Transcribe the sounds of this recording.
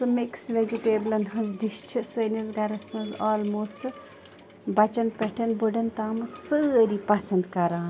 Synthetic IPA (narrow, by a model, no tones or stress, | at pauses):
sɐmiksʋed͡ʒiʈeːblɐnɦɐnzd̪iʃt͡ʃʰisəːnizɡɐɾɐsɐ̃nzaːlmoːsʈ | bɐt͡ʃɐnpɛʈʰɐnbuɖɐnt̪aːmɐsɨɐɾipɐsɐ̃nd̪kɐɾaːn